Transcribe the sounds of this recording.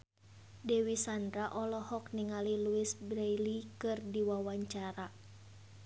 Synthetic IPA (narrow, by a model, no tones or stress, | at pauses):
dɛwisandɾaʔɔlɔhɔk̚niŋaliluisbɾajlikɨrdiwawaɲt͡ʃaɾa